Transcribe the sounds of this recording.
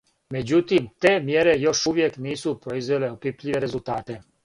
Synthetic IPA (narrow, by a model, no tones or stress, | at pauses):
mɛd͡ʒut̪imt̪ɛːmjɛɾɛjɔʃuʋjɛkniːsuːpɾoizʋɛlɛɔpipliʋɛɾɛzult̪aːt̪ɛ